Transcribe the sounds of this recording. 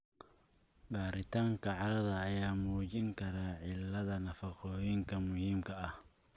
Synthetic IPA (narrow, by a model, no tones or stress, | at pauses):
baːɾɪt̪ʰaːŋkʰɐʕɑlɐðɐːjaːmuːt͡ʃɪŋkʰɐɾaːʕɪlːɐðɐnɐfɑqɔːjɪŋkʰɐmʊhiːmkʰɐɐh